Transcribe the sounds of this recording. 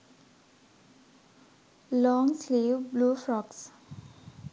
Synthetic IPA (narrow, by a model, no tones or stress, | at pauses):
lɔ̃ːŋsliːʋbluːfɾɔks